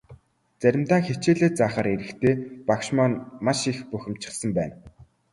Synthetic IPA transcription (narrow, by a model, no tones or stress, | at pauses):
t͡sæɾʲɪ̆mt̪aːŋxet͡ɕeːɮeːt͡saːχaːɾeɾɘ̆kt̪ʰeːpakʃmaːnmaʃixpɵxʲɪ̆m̥t͡ɕɪ̆χsə̆mpæːn